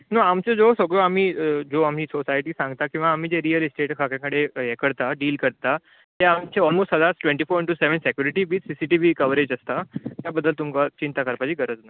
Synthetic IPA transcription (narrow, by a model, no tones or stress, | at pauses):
nəamt͡sed͡zosəɡɭoam̤iːd͡zoamɦiːsosajʈiːsãŋɡt̪akĩw̃ʋaːm̤iːd͡zeɾijəlsʈeʈkʰakjãkəɽejekəɽt̪aɖiːlkəɾt̪a | t̪eamt͡ɕeɔlmosʈɦəd̪asʈwʋẽɳʈiːfoɾiɳʈuseʋənsekjuɾiʈiʋiːsisiʈiʋikəʋɾed͡ʑəst̪at̪jabəd̪ːəlt̪umkat͡ɕint̪akəɾpad͡ʑiːɡəɾəd͡zna